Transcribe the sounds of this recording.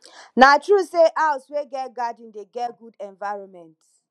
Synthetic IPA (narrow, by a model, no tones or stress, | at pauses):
natɹuseʔaʊsweɡɛtɡadĩndeɡɛɡudɛ̃ɱvaɪɹɔ̃nmɛ̃nt